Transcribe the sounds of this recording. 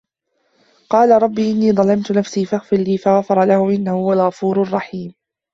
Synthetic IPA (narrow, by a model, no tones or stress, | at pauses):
qɑːlaɾˤɑbːiːʔɪnːiːðˤɑlɑmt̪ʊnafsiːfaxfɪlːiːfaɣafɑɾˤɑlahʊʔɪnːahʊwalɣɑfuːɾrˤːɑħiːm